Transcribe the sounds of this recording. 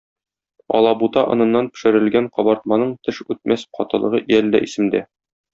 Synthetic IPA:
ɒ̰lˠɑbut̪ɑʔɤ̆nɤ̆nːɑnpɘ̥̆ʃɘ̆ɾɘ̆lɡæɴqɒbɑɾt̪̚mɑnɤɴt̪ɘʃʉt̪̚mʔæsqɒt̪ɤ̆lˠɤ̆ʁɤʔjæld̪æ̰ʔisɘ̆md̪æ

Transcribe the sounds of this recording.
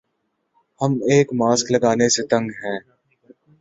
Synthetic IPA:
hɐmeːkmaːsklɐɡaːneset̪ɐ̃ŋɡɦɛ̃ː

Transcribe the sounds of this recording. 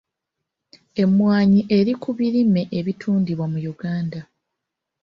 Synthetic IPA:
e̞mwaːɲiʔe̞ɾikuβiɾime̞ʔeβitʰuːndiβwamujuɡaːnda

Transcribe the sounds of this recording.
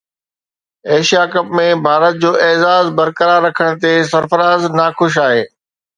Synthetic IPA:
eːʃijakɐpmẽbʱaːɾət̪̚d͡ʑoːʔeːzaːzbɐɾkəɾaːɾːɐkʰəɽ̃t̪esɐɾfəɾaːznaxʊʃ̬aːɦeː

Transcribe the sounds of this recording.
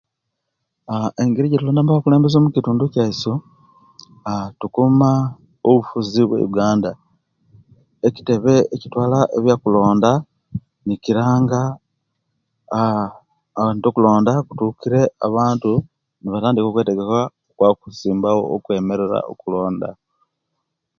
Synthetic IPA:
aeŋɡiɾiɟetuloːndaːmbahokule̞ːmbe̞zo̞ːmucituːnducaiso | tukuma | oβufuziβwḛjuɡaːnda | eci̥te̞βe̞ːcitwaːlaʔḛβjaːkulo̞ːnda | niciɾaːŋɡa | antokulo̞ːndaku̥tuːkiɾe̞a̰βaːntu | niβataːndiko̞ːkwe̞ːteɡe̞kwa | kwakuziːmbawo̞̰ːkwe̞me̞ɾe̞ɾa̰o̰kulo̞ːnda̰

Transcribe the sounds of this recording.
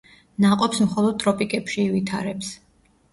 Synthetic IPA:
naqʼɔpsmχɔlˠɔd̪̚t̪ʼɾɔpʼikʼɛpʃiːvit̪ʰaɾɛps

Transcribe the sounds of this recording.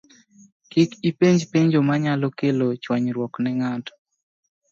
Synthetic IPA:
kikipeɲd͡ʒpeɲd͡ʒomaɲalɔkelot͡ʃwaɲɾwɔknɛŋatɔ̥

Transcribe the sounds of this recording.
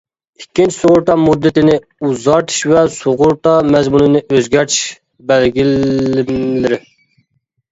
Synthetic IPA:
ikʲʰːint͡ʃʰi̥soʁʊɾt̪ʰɑmud̪ːɪt̪ɪnɪ | uzɑɾt̪ʰɨ̥ʃvɛsoʁʊɾt̪ʰɑmɛzmunɨnɪʔøzɡʲæɾt̪ʰi̥ʃ | bɛlɡʲilɪmlɪɾɪ

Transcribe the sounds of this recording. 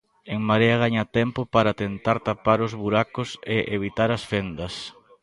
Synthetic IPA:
eŋmaɾeaɣaɲat̪ɛmpopaɾat̪ent̪aɾt̪apaɾʊzβuɾakʊseʔeβ̞it̪aɾɐsfend̪ɐs

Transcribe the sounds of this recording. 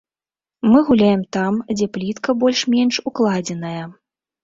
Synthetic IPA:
mɨɣulʲajɛmt̪amd͡zʲɛplʲit̪kɐbɔlʲʂmʲɛnʂuklˠad͡zʲɛnɐjɐ

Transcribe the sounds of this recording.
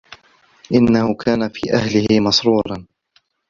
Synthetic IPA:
ʔɪnːahʊkʰaːnafiːʔahlɪhɪmɑsɾuːɾˤɑn

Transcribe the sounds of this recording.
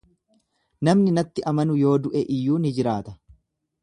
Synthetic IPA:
nɐmnɪnɐt̪ːɪʔɐmɐnʊjo̞ːd̪ʊʔɛʔɪjːuːnɪd͡ʒɪɾaːt̪ɐ̥

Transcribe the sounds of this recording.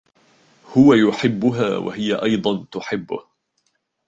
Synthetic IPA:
hʊwajʊħɪbːʊɦa̰ːwa̰hɪjaʔɑjd̪ˤɑnt̪ʊħɪbːʊ̰h

